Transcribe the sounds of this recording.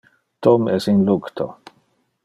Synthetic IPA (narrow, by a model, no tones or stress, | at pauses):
t̪ɔmɛsinlukt̪ʰo̰